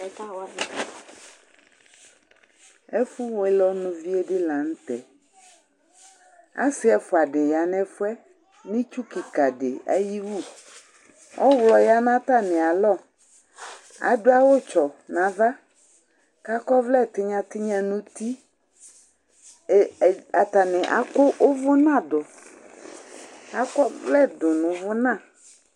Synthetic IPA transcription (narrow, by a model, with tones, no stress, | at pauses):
ɛ˦fu˦wɔ˨ɛ˦lɔ˦nũ˨vi˦e˦ɖɪ˦lã˨ŋ̩˦t̪ɛ˨ | a̰˦sɪ˦ɛ˨fʊ˨a˨ɖe˨ja˨nɛ̃˨fʊ˦ɛ˦ | nĩ˦t͡ʃu˦ki˨ka˨ɖe˨a̰˦ji˦wu˦˨ | ɔ˦wlɔ˨ja˦nã˦t̪a˦nɛ̃˨a˨lɔ˦˨ | a̰˨dʊ˦a˦wʊ˦t͡ʃɔ˨nã˨va˦ | ka˦kɔ˦vlɛ˦˨t̪ɪ˦ɲã˨t̪ɪ˦ɲã˦nũ˦t̪i˦˨ | a˨t̪a˨nɪ̃˨ʔa̰˨kʊ˦ʔʊ˦vʊ˦nã˦˨dʊ˨ | a˦kɔ˦vlɛ˦dʊ˨nʊ̃˨vʊ˦nã˦˨